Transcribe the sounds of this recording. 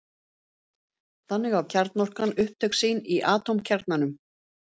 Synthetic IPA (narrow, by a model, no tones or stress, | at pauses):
θanːɪɣawcʰaɾt̪nɔr̥kanʏhp̚t̪ʰœksiːniʔaːt̪owmcʰaɾt̪nanʏm